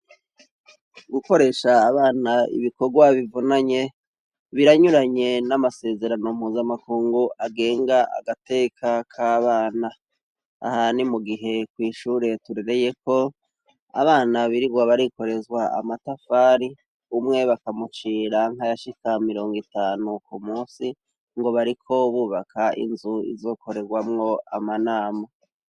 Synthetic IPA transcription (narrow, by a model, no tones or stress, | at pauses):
ɡuko̞ɾe̞ʃaːβaːnaḭβiko̞ɾɡwaβivunaɲe̞ | βiɾaɲuɾaɲe̞namase̞ːze̞ɾanom̥huːzamakuːŋɡuʔaɡe̞ːŋɡaʔa̰ɡate̞ːkʰakʰaːβaːna | a̰hanimuɡiɦe̞kwiːʃuːɾe̞tuɾe̞ɾe̞je̞ko̞ | a̰βaːnaβiɾiɡwaβaɾiko̞ɾe̞zɡwaa̰matafaːɾi | umŋe̞βakamut͡ʃiːɾaŋ̥hajaʃikamiɾo̞ːŋɡitaːnukumuːsi | ŋɡo̞βaɾikʰo̞βuːβakʰaḭnzuḭzo̞ːkʰo̞ɾe̞ɡwamŋo̞amanaːma